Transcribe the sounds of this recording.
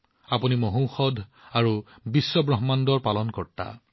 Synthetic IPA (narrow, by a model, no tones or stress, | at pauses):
apunimoɦũwxɔdʱaɹu | bisːɔbɹɔɦɔmandɔɹpalɔnkɔɹta̰